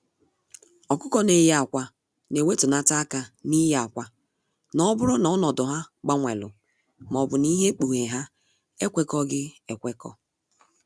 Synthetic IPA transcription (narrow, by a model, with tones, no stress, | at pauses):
ɔ˨kʊ˦kɔ˦ne˨ja˨kʷa˨ | ne˨we˦tu˨na˦ta˦a˦ka˨ni˦ja˨kʷa˦ | nɔ˦bʊ˦ɾʊ˦nɔ˨ɔ˦nɔ˨dʊ˨ɦa˦ɡ͡ba˦ŋʷe˨lʊ̰˨ | m˨ɔ˨bʊ˨ni˦ɦe˦k͡pu˨ɦe˨ɦa˦ | e˦kʷe˦kɔ˦ɡɪ˦e˨kʷe˦kɔ̰˦